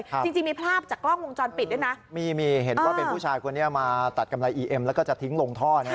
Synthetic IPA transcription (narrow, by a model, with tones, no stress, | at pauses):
jt͡ɕi˧ŋt͡ɕi˧ŋmiː˧pʰɾaː˥˩p̚t͡ɕaː˨˩kːlɔ˥˩ŋwo˧ŋt͡ɕɔː˧npi˨˩t̪̚du˥˩na˦˥ʔmiː˧miː˧ɦe˨˩˦nwwaː˥˩pe˧pʰuː˥˩t͡ɕʰaː˧jkʰo˧nːi˥ɐmaː˧t̪a˨˩t̪̚ka˧mla˧jʔiː˧ʔe˧mlɛ˦˥kɔː˥˩t͡ɕa˨˩t̪ʰi˦˥ŋlo˧ŋt̪ʰɔː˥˩n˦˥˩